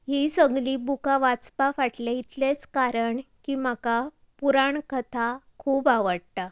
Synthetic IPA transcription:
ɦisəɡliːbukaʋat͡spafaʈlait̪let͡skaɾəɳkiːmaka | puɾaɳkət̪ʰakʰuːbaʋəɽt̪a

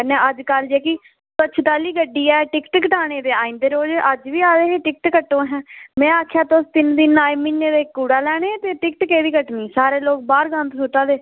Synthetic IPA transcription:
nɛːəd͡ʒkəld͡ʒeːki | sət͡ʃʰt̪aːliːɡəɖːiːɛːʈɪkʈkəʈaːɽ̃eːd̪eːaːĩnd̪eːɾoːd͡ʒʔəd͡ʒʋiːaːd̪eːeːʈɪk̚ʈkəʈːõːɦɛ̃ːmɛ̃ːaːkʰjaːt̪ost̪ɪnd̪ɪnaːimɪnːeːd̪eːkːuːɽaːlɛːɽ̃eːt̪eːʈɪkʈkeːʋiːkəʈniːsaːɾeːloːk̚baːɾɡə̃nt̪sʊʈaːd̪eː

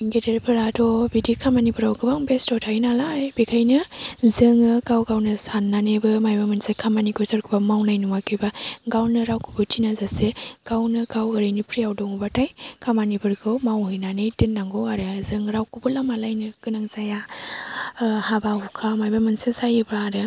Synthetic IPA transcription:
ɡedeɾpʰɯɾadʰɔbidikʰamanibɯɾawkɯbaŋbestɔtʰainalajbekʰajnɯzɯŋɯkawɡawnɯsanːanebɯmajbamɯnsekʰamanikɔsaɾkʰɯbamawnajnuwakʰɯbaɡawnɯɾawkubɯtinazaseɡ̥awnɯkawɯɾɯjnipʰɾijawdɔŋubatʰajkʰamanibɯɾkʰɯmawhɯjnanɯjtɯnːaŋɡɔaɾɯzɯŋɾawkubɯlamalajnɯkɯnaŋzaja | habahukʰamajbamɯnsesajɯbɾaɾɯ

